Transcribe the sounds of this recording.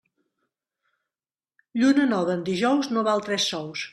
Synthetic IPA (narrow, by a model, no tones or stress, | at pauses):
ʎunənɔβəːnd̪iʒɔwznoβalˠt̪ɾɛsːɔws